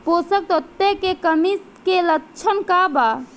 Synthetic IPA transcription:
posək̚t̪ot̪ːekekəmis | kelət͡ʃʰənkaba

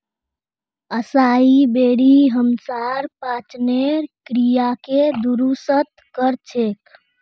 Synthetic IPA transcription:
əsaibeɽiɦəmsaɾpat͡ʃneɾkɾijaked̪uɾusət̪kəɾt͡ʃʰek

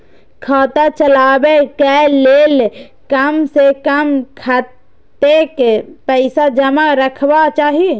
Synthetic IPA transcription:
kʰaːt̪at͡ʃəlaːbekɛleːl | kəmsekəmkʰa | t̪ekepəɪsad͡ʒəmaɾəkʰwat͡ʃaːɦie

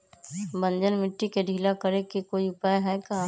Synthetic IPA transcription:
bə̃nd͡ʒənmɪʈːikeɖʱiːlakəɾekikoːiʊpaːjɦɛka

